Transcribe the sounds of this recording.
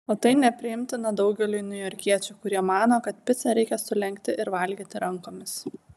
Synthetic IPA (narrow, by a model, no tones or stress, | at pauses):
oːt̪ɐɪnʲɛpʲɾʲɪjɪmʲt̪ʲɪnɐd̪ɐʊɡʲɛlʲʊɪnʲʊjɔɾʲkʲiɛt͡ʃʲuːkʊɾʲiɛmɑːnoːkɐt̪pʲɪt̪sɐɾʲɛɪkʲɛsʊlʲɛŋʲkt̪ʲɪʔɪɾʋɐlʲɡʲiːt̪ʲɪɾɐŋkoːmʲɪs